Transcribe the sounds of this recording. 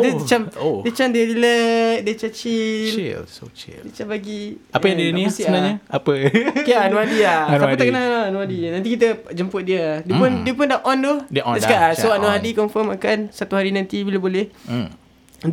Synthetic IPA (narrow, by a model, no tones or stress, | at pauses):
dt͡ʃamodiət͡ʃamdiəɾilək̚diət͡ʃat͡ʃḭlo̰t͡ʃḭldiət͡ʃamlaɡiapəjãdinisiəbənaɲaapəkajaʔanuhadiahanapət̪akənaɦanuadinãnt̪ikit̪̬əd͡ʒəmpʊt̪̚diədiəpʊndiəpʊndaʔʔɔnd̪ʊhdasəkaʔasoanuɦadikɔɱfəmakansat̪uhaɾinãnt̪ibilabolɛh